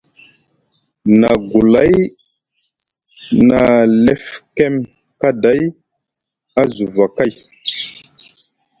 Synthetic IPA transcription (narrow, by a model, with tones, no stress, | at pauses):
na˨ɡu˨la˨˦j | na˨le˦fkɛ˦m | ka˦da˨˦j | a˦zu˨va˨ka˦˨j